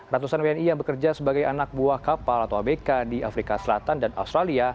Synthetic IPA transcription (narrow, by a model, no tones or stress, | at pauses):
rat̪usanweɛnijaŋbəkərd͡ʒasəbaɡajanak̚buahkapalat̪awamekadiafɾikasəlat̪andana̰ust̪ɾalia